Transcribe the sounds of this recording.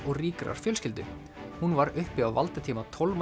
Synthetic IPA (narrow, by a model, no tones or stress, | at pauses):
ɔɣriːkɾa̰ɾ̥fjœːlscɪlt̪ʏ̰ | hunvaɾʏhpɪawvalt̪at̪ʰiːmat̪ʰɔlm